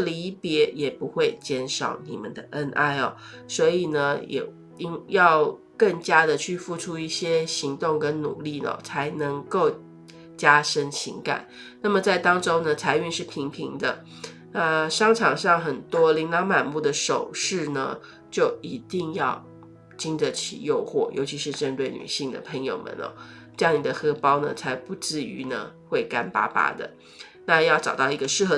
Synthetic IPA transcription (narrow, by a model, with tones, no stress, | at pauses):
li˧˥pjɛ˧˥jɛ˨˩pu˧˥xwe˥˩ɪt͡ɕjɛ˥nʂɑ̰˨˩˥ʊni˨˩mə̰˦nd̪ə˧ʔə˦˥nʔa̰˥˩ɪɔ̰˩ | swɔ˧˥i˨˩nə˦jɛ̰˨˩ | i˥ŋjɑ˥˧ʊ | kə˥˩ŋt͡ɕja˥d̪ə˨t͡ɕʰy˥˧fu˥˩ʈ͡ʂʰu˥i˥˩ɕjɛ˥ɕi˧˥ŋt̪ʊ˥˧ŋkə˥nnṵ˨˩li˥˩nə̰˨˩t͡sʰa˧˥ɪnɤ˧˥ŋko˥˩ʊ | t͡ɕja˥ʂə˥ŋɕḭ˧˥ŋka̰˨˩˦n | na˥˩mə˩t͡sa˥˩ɪt̪ɑ˥ŋʈ͡ʂo˥ʊnə˨t͡sʰa˧˥ɪy˥˧nʂɻ̩˥˩pʰi˧˥ŋpʰi˧˥ŋd̪ə˧ | nə˥˧ʂɑ˥ŋʈ͡ʂʰɑ˨˩ŋʂɑ˥˩ŋxə˨˩nt̪wɔ˥li˧˥ŋlɑ˧˥ŋma˨˩nmu˥˩d̪ə˩ʂo˨˩ʊʂɻ̩˥˩nə̰˩ | t͡ɕjo˥˩ʊi˧˥t̪i˥˧ŋjɑ˥˧ʊ | t͡ɕi˥ndə˨t͡ɕʰḭ˨˩jo˥˧ʊxwɔ˥˩jʔo˧˥t͡ɕʰi˧˥ʂɻ̩˥˧ʈ͡ʂə˥˧nt̪we˥˩ɪny̰˨˩ɕi˥˩ŋd̪ə̰˨˩pʰə˧˥ŋjo˨˩ʊmə̰˨nɔ̰˨˦ | ʈ͡ʂjŋni˨˩d̪ə˧˦xɤ˥pɑ˥ʊnə˨t͡sʰa˧˥ɪpu˧˥t͡sɻ̩˥˩y̰˧˥nə̰˧xwe˥˩ɪka˥npa̰˥pa̰˥d̪ə̰˨ | na˥˧jɑ˥˩ʊʈ͡ʂɑ˨˩ʊt̪ɑ˥˩ʊi˧˥ɡə˧ʂɻ̩˥˩xɤ˧˥